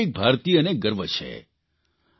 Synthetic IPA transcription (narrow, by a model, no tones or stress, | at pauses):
ik̚bʱaɾt̪ijəneɡəɾʋʱət͡ʃʰḛ